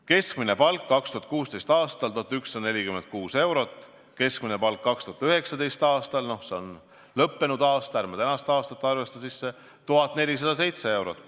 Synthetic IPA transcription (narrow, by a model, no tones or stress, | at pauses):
ke̞skmine̞pɑlkːɑkst̪uɑt̪̚kuːst̪e̞jst̪ɑːst̪ɑlt̪uɑt̪yksːɑd̪ne̞lʲikymend̪̚kuːse̞wɾo̞t̪ːˑ | ke̞skmine̞pɑlkːɑkst̪uɑt̪yɦe̞ksɑd̪e̞jst̪ɑːst̪ɑlno̞hse̞o̞n | lɤpːe̞nud̪̥ɑːst̪ɑæɾrmɑt̪ænɑst̪ɑːst̪ɑt̪ːˑɑrve̞st̪ɑsisːe̞ | t̪uɦɑt̪ːˑne̞lʲis̬ɑd̪̥ɑs̬e̞jt̪se̞e̞wɾo̞t̪ːˑ